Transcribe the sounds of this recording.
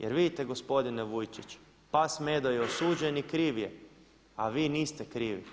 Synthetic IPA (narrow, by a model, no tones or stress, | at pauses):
jeɾʋid̪it̪e̞ɡospo̞d̪ineʋujt͡ʃit͡ʃ | pasmed̪ojeosuːd͡ʒenikɾiːʋje | aʋiːniːst̪e̞kɾiːʋḭ